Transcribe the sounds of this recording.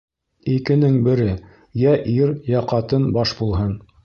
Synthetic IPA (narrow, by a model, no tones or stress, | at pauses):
ikɘ̆nɘŋbɘ̆ɾɘ | jæʔiɾjɑqɑt̪ɤnbɑʃbulˠɦɤn